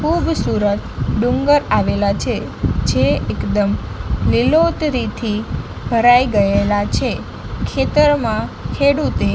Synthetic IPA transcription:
kʰubsuɾət̪ɖũŋɡəɾaʋelat͡ʃʰed͡ʒeːkd̪əmlilot̪ɾit̪ʰi | bʱəɾaiɡəelat͡ʃʰe | kʰet̪əɾmãkʰeɽut̪e

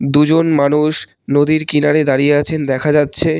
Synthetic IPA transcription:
d̪ud͡ʑonmanuʃ | nod̪iɾkinaɾed̪aɾijeat͡ɕʰend̪ɛkʰad͡ʑatːɕʰe

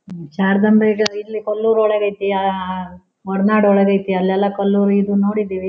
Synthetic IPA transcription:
t͡ʃaːɾd̪ɐmbeɡɐilːikɐlːuːɾɔɭɛɡɐjt̪ia | ɔɽnaːɽɔɭɛɡɐjt̪iɐlːɛlːɐkɐlːuːɾuid̪unoːɽid̪iʋi

